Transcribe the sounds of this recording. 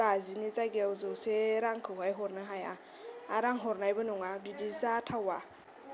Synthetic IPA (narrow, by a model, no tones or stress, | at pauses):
azinizaɡewzoseɾaŋkɨɦajɦoɾnəɦaja̰ | aɾaŋɦoɾnajbunuŋabidizatʰawa